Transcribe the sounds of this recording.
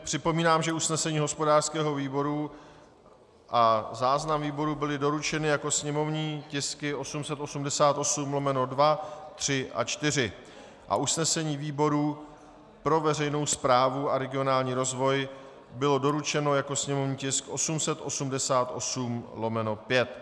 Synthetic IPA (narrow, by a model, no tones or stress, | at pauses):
pr̥ɪpo̞miːnaːmʒɛusnɛsɛɲiːɦo̞spo̞daːr̥skɛːɦo̞viːbo̞ɾu | ʔazaːznamviːbo̞ɾubɪlɪdo̞ɾut͡ʃɛnɪjako̞sɲɛmo̞vɲiːcɪskɪo̞sumsɛt̪osumdɛsaːt̪ʔo̞sumlo̞mɛno̞dvat̪r̝̥ɪʔa̰t͡ʃt̪ɪr̝ɪ | ʔa̰ʔusnɛsɛɲiːviːbo̞ɾu | pɾo̞vɛrɛjno̞wspɾaːvuaɾɛɡɪo̞naːlɲiːɾo̞zvo̞j | bɪlo̞do̞ɾut͡ʃɛno̞jako̞sɲɛmo̞vɲiːcɪskʔo̞sumsɛt̪ʔo̞sumdɛsaːt̪ʔo̞̰sumlo̞mɛno̞pjɛt̪̚